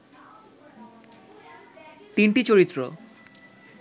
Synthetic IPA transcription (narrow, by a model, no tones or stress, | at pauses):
t̪inʈit͡ɕoɾit̪ːɾo